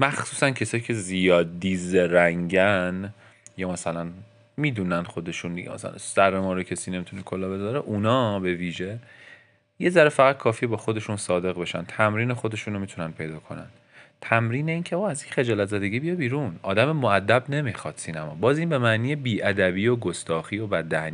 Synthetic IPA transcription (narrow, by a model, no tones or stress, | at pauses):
mæxsuːsæncʰe̞sɒːjiːcʰe̞zijɒːd̪ːizeɾæŋɟæn | jɒːmæsælæn | miːd̪uːnænχo̞d̪e̞ʃund̪ḭɟḛmæ̰sæ̰læ̰særːemɒːɾocʰesiːne̞mit̪ʰune̞kʰolɒːbe̞zɒːɾeʔunɒːbe̞viːʒe̞ | je̞zæɾefæɣæd̪̚kʰɒːfiːbɒːxo̞d̪e̞ʃunsɒːd̪e̞ɣbe̞ʃæ̰nt̪ʰæmɾiːnexo̞d̪e̞ʃuːnomit̪ʰunæn̚pʰe̞jd̪ɒːkʰo̞̰næ̰n | t̪ʰæmɾiːneiːncʰe̞oːæzjecʰχe̞d͡ʒɒːlæt̪zæd̪e̞ɡiːbijɒbiːɾunɒːd̪æmemoæd̪ːæbne̞mixɒːd̪̥siːnæmɒːbɒːziːnbe̞mæʔniːjebiːʔæd̪æbiːoɡost̪ɒːxiːobæd̪ːæni